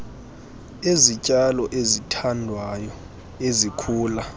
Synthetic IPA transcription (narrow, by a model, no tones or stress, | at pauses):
ezicʼalɔʔezitʰandʱwajɔ | ezikʰuːla